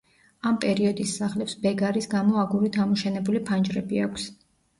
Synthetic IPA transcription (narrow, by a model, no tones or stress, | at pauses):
ampʼɛɾiɔd̪isːaχlɛpsbɛɡaɾisɡamɔaɡuɾit̪ʰamɔʃɛnɛbulipʰand͡ʒɾɛbiakʷʰs